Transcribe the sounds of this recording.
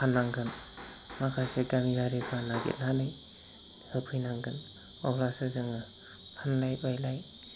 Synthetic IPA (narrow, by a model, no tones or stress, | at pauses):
pʰanːaŋɡɯn | makʰaseɡamibaɾibʰanaɡḛt̚nanɯj | hɯpʰɯjnaŋɡɯn | ɔblasɯzɯŋɯ | pʰanlajbajlaj